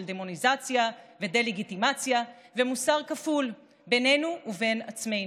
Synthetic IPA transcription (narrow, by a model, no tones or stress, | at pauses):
ld̪e̞mo̞nizat͡sjaved̪e̞leɡit̪imat͡sjave̞musaʁkaful | bene̞nuʔːve̞nat͡sme̞